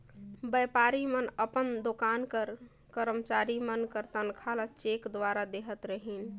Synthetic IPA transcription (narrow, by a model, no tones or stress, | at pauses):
bɛpaɾimənəpənd̪okankəɾ | kəɾəmt͡ʃaɾimənkəɾt̪ənkʰalat͡ʃekd̪ʋaɾad̪eɦət̪ɾəɦin